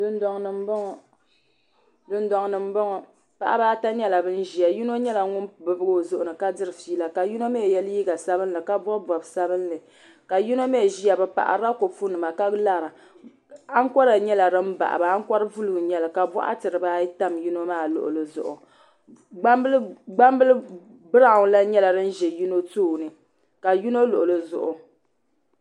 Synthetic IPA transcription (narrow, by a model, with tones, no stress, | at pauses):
dɨ˦n˦dɔ˦ŋnɨ˨m˦bɔ˦ŋ˨ | dɨ˦ndɔ˦ŋnɨ˨m˦bɔ˦ŋɔ˨ | pa̰˨ʔa̰˦baː˦ta˦ɲɛ˦la˨bɨ˦n̩˦ʒi˨ja˨ji˦no˦ɲɛ˦la˨ŋʊ˦n˨bɨ˨bɨ˦ɡo˦˨zʊ˨ʔʊ˨nɨ˨ka˦dɨ˦ɾɨ˨fiː˦la˨ka˨ji˦no˦mɛ˦˨jɛ˦lji˦ɡa˨sa˦bɨ˦n˦lɨ˨ka˦bɔ˦bɔ˨bsa˦bɨ˦n˦lɨ˨ | ka˨ji˦no˦me˦˨ʒi˦a˨bɨ˨pa̰˨ʔa̰˨ɾa˦ko˨fu˦nɨ˨ma˨ka˦la˦ɾa˨ | a˦ŋ˦kɔ˦ɾa˨ɲɛ˦la˨dɨ˦m˦ba̰˨ʔa̰˨ba˨a˦ŋ˦kɔ˦ɾɨ˦vu˦lu˨ɲɛ˦la˨ka˨bɔ̰˦ʔa̰˦tɨ˨ɾɨ˨ba˦i˦ta˦mju˦no˦maː˦˨lʊ̰˨ʔʊ̰˨lɨ˦zʊ̰˨ʔʊ˨˦ | ɡ͡ba˦mbɨ˦lɨ˦ | bɨ˦ɾa˨ŋ˨˦la˦ɲɛ˦la˨dɨ˦n̩˦ʒɛ˨ju˦no˦tuː˦˨nɨ˨ | ka˨ju˦no˦lʊ˨ʔʊ˨lɨ˦zʊ̰˨ʔʊ˨